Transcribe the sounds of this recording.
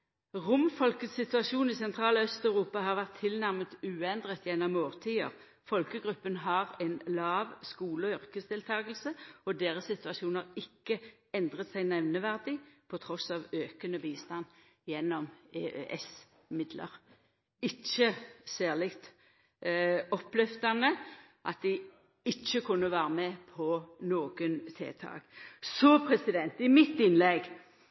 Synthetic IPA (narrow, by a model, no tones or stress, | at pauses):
ʁʊmfɔlkət̪sɪt̪ʉɑʃuːnɪsɛnt̪ʰʁɑːlœst̪œʉʁuːpɑɦɑʁʋæʁt̪ʰːɪlnæʁmət̪ʉːɛnd̪ʁət̪jɛnːɔmoːʁt̪ʰiːəʁ | fɔlkəɡʁʉpːənɦɑʁɛɪnlɑːʋskuːləɔʏʁkəsd̪ɪlt̪ʰɑːɡəl̩səɔd̪eːʁəsɪt̪ʉɑʃuːnəʁɪkːə | ɛnd̪ʁət̪sæɪnɛʋnəʋæʁd̪ɪpʰɔt̪ʰʁɔsɑːʋøːkənəbiːst̪ɑn | jɛnːɔmeøʔɛs | mɪd̪lə̰ʁ | ɪt͡ʃːəsæːʁlɪkt̪ | ɔpːlɛfd̪ɑnə | ʔɑ̰t̪̚d̪ɪ | ɪt͡ʃːəkʰʊnːəʋæːʁəmɛpʰɔnoːɡənt̪ʰḛːt̪ʰɑ̰ːɡ̥sɔpʰʁɛsɪd̪ɛnt̪ɪmɪt̪ːɪnlɛɡ